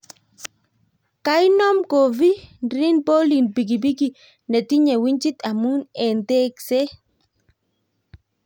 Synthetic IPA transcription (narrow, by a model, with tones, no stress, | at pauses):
ka˦jnɔ˦mko˨vi˦nɾi˦nbo˦li˨nbi˨ɡi˨bi˦ɡi˨ | ne˨t̪i˦ɲɛ˨wi˦ɲt͡ʃi˦t̪a˨mu˦nɛ˨nte˦kse˦